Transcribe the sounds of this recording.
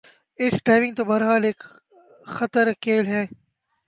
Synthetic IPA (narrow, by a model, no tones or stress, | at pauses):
ɪsɖaːɪʋɪ̃ŋɡ̚t̪oːbɐɾɦaːleːk | xət̪əɾkeːlɦɛː